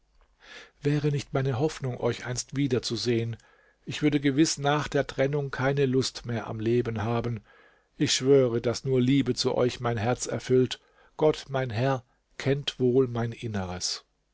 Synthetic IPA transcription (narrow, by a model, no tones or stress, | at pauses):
v̥ɛːʁənɪçtmaɪnəɦɔfnʊŋʔɔ̰ʏçʔaɪnstv̥iːdɐt͡suzeːən | ʔɪçv̥ʏɐdəɡəvɪsnaːχd̥eːɐtʁ̥ɛnʊŋkʰaɪnəlʊstmeːɐʔa̰mleːbən̩ɦaːbn̩ | ʔɪçʃv̥øːʁədasnuːɐliːbət͡suʔɔ̰ʏçmaɪnɦɛɐt͡sɛ̰ɐfʏlt | ɡ̥ɔtmaɪnɦɛɐ | kʰɛntv̥oːlmaɪnʔɪnəʁəs